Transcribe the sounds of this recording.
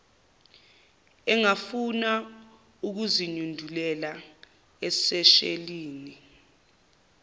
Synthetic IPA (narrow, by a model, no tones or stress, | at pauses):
ɛŋafuna | uk̬uziɲundʱulɛla | ɛsɛʃḛliːni